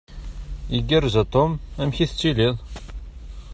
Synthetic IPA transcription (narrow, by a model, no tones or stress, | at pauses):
iɡiɾzæt̪ˤomæmçiθt͡sːiliðˤ